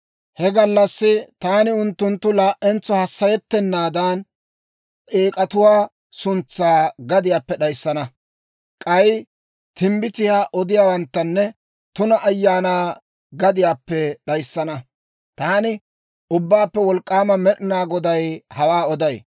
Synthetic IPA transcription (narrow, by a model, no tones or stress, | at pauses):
hɛɡɐlːɐsːɪt̪aːnɪʊnt̪ːʊnt̪ːʊlaːʔɛnt͡sːɔhɐsːɐjɛt̪ːɛnːaːd̪aːnʼ | eːkʼɐt̪ʊwaː | sʊnt͡sːaːɡɐd̪ɪjaːpːɛɗɐjsːɐnɐ | kʼɐj | t̪ɪmbɪt̪ɪjaːʔɔd̪ɪjaːwɐnt̪ːɐnːɛ | t̪ʊnɐʔːjːaːnaː | ɡɐd̪ɪjaːpːɛɗɐjsːɐnɐ | t̪aːnɪ | ʔʊbːaːpːɛwɔlkʼːaːmɐmɛɗɪnaːɡɔd̪ɐjhɐwaːɔd̪ɐj